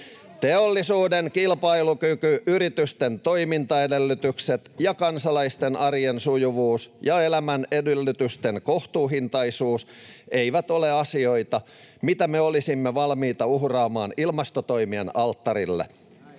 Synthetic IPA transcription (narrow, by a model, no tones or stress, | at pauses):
t̪eolːisuːdeŋkilpɑilukykyʔyɾit̪yst̪ent̪o̞imint̪ɑedelːyt̪ykset̪jɑkɑnsɑlɑist̪enɑriensujuʋuːsjɑelæmænedelːyt̪yst̪eŋko̞ht̪uːɦint̪ɑisuːs | eijʋæt̪o̞leɑsio̞it̪ɑ | mit̪æmeolisimːeʋɑlmiːt̪ɑuhrɑːmɑːnilmɑst̪ot̪oimienɑlt̪ːɑɾilːḛ